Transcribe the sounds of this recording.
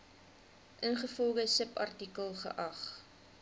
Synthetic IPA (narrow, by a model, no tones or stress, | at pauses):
ʔənχəfɔlˠɡəsəpɐ̰rtikəlˠχə̰ʔɐχ